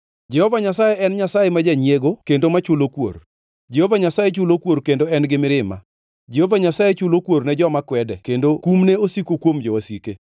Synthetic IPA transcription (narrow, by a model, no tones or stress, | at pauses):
d͡ʒɛhovaɲasajeʔɛnɲasajemad͡ʒaɲjeɡokendomat͡ʃʊlokwo̰r | d͡ʒɛhovaɲasajet͡ʃʊlokwoɾkendoɛnɡɪmɪɾɪma̰ | d͡ʒɛhovaɲasajet͡ʃʊlokwoɾnɛd͡ʒɔmakwɛdɛkendokumneosikokwomd͡ʒɔwasike